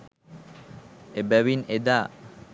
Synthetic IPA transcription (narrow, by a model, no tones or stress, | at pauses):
ebɛwined̪a